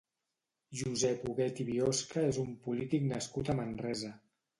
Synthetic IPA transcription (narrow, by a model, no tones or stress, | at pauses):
ʒuzɛpuɣɛt̪iβioskəezumpulit̪iknəskut̪əmənrɛzə